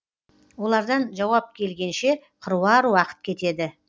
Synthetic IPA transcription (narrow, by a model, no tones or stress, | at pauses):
wo̞lˠɑɾd̪ɑnʒɑwɑp̚kʲʰe̞lɡʲe̞nʃe̞qʰəɾwɑɾwɑqə̥t̪̚kʲʰe̞t̪e̞d̪ɪ